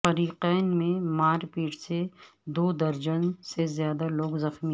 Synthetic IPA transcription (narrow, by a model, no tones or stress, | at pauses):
fɐɾiːqɛːnmẽmaːɾpiːʈse | d̪oːd̪ɐɾd͡ʒənsezjaːd̪aloːɡzɐxmi